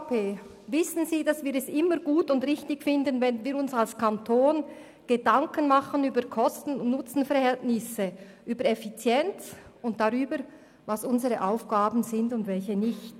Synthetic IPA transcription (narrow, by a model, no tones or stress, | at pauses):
pʰeː | vɪsn̩ziːdɑsv̥iːɾɛsʔɪməɾɡ̥uːtʊndʁɪçtɪçfɪndənvɛnviːɾʊnsalskʰantʰoːn | ɡ̥ədɑŋkənmɑχənyːbəɾkʰɔstn̩ːʊt͡sn̩fɛɾʁhɛltnɪsə | ʔyːbəɾɛfit͡sjɛnt͡sʊnt̚d̥aʁyːbəɾ | vɑsʊnzəʁəʔaʊfɡ̥aːbn̩zɪndʊndvɛlçənɪçt